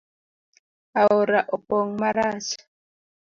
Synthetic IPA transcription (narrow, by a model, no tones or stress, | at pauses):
aoɾaʔɔpɔŋmaɾaːsḁ